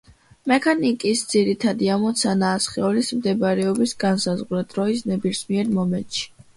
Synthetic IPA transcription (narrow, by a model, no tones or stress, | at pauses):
mɛkʰanikʼisd̪z̥iɾit̪ʰad̪iamɔt̪sʰanaːsχɛɔlismd̪ɛbaɾɛɔbisɡansazʁɾad̪̥ɾɔisnɛbiɾsmiɛɾmɔmɛnt̪ʃi̥